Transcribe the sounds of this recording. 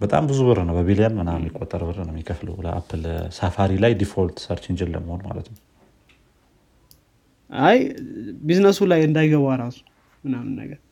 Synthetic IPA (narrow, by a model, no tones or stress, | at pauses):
bət̪ʼa̰mbɨzuβɨɾɨnəwbəβilijanmɨnamːjɪkʼːot̪ʼːəɾbɨrɨnəmjɪkʰəflə̰wlə̰ʔa̰pʰːɨlsafaɾilajd̪ifolt̪ʰsəɾt͡ʃɪnd͡ʒɛlːə̰mːəho̞nma̰lət̪nəw | ʔajbiznəsulajɨnd̪ajɡəβaɾasu̥ | mɨnamɨnːə̰ɡəɾ